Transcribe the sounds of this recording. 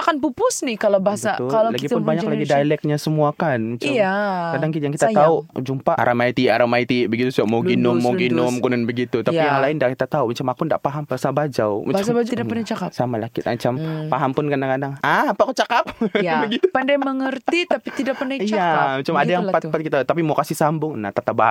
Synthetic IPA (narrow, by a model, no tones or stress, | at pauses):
akanpupʊsnɪhkalawbaɦasəaʊallaɡiʊnbaɲakklaɡidalɛk̚ɲasəmuakanmat͡ʃakadaŋkijaŋkit̪at̪aud͡ʒumpaʔa̰ɾʔamait̪iʔaɾamait̪iʔbəɡit̪usuɡaʔmawɡinʊmːoɡinʊmkunanbəɡit̪ut̪apijaŋlaɪndakit̪at̪aumat͡ʃamakʊnda̰ʔpaɦambaasabad͡ʒawmaasd͡ʒtidaprnat͡ʃakasamalakɪ̰t̪a̰ɲt͡ʃampaɦampʊnkanaŋkadaŋaapakot͡ʃakap̚bəɡit̪upandajməŋərt̪it̪apit̪idak̚pərnaiamat͡ʃamadajaŋpat̪pat̪kit̪at̪ap̬imawkasɪhsambʊŋnat̪at̪abaa